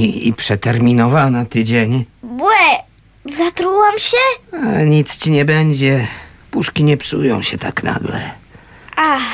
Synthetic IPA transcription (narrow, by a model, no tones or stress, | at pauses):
iḭpʂɛt̪ɛɾmʲinɔvanat̪ɘd͡ʑeɲbwɛ | zat̪ɾuwamɕɛaɲit̪st͡ɕiɲɛbɛɲd͡ʑɛ | puʂkʲiɲɛpsujɔ̰̃w̃ɕɛt̪a̰kna̰ɡlɛ̰ | a